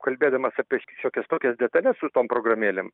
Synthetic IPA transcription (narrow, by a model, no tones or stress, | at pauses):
kɐlʲbʲeːd̪ɐmɐsɑːpʲiɛʃʲoːkʲɛst̪oːkʲɛsd̪ʲɛt̪ɐlʲɛssʊt̪oːmpɾoːɡrɐmʲeːlʲeːm